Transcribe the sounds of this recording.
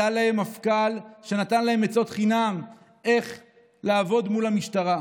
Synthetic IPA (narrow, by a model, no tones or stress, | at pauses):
alahe̞mafkalʃe̞nat̪anlahe̞met͡so̞t̪χinam | e̞χ | laːvo̞dmulhamiʃtaʁa